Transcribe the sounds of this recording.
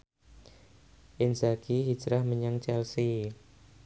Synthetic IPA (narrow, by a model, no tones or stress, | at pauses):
ʔɪnsaɡiɦid͡ʒɾahməɲaŋt͡ʃɛlsi